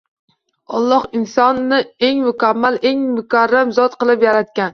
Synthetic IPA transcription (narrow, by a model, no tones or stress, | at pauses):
ɒlˠːɒhɪnsɒnːɪe̞ŋmʊkʲʰamːalʔe̞ŋmʊkʰʲaɾːamzɒt̪qɨlˠɪpjaɾat̪̚kʲan